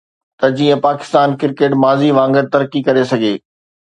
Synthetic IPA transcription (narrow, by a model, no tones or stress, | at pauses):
t̪ɐd͡ʑiːə̃paːkɪ̥st̪aːnkɪɾkeːʈmaːziʋãːŋɡəɾt̪ɐɾkikɐɾesɐɡʱeː